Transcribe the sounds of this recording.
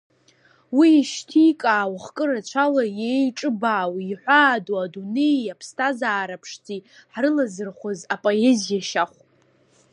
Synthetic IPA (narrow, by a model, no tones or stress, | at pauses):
wiːʃtʰikʼaːwχkʼɨɾat͡ɕʷʰalajejʈ͡ʂʼɨbaːwiħʷaːduadune̞japʰstʰazaːɾapʰʂtʰiħrɨlazɨrχʷozapʼoe̞zijaʃaχʷ